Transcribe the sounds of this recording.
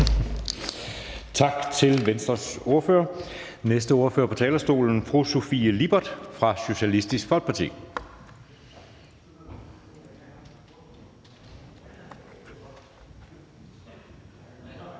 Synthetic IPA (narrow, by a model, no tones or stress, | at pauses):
t͡sʰɑ̈ɡ̥t͡sʰe̝lʋensd̥ʁɐso̝ɐfø̰ːɐ | nesd̥əo̝ːɐføɐpʰɒ̽t͡sʰɛːlɐsd̥o̝̰ːln̩fʁuso̝fiəlib̥ɐd̥fʁɑ̈ɕo̝ɕælisd̥isɡ̥fɒ̽l̰ɡ̥̚pʰɑ̈t͡sʰḭː